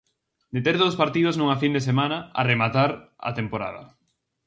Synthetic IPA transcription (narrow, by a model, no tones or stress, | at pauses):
d̪et̪eɾðowspaɾt̪iðoznũŋafind̪esemanaa̰remat̪aɾ | a̰t̪empoɾa̰ðɐ̰